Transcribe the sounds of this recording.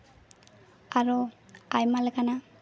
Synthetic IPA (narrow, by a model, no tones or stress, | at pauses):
aɹuajmalɛɡana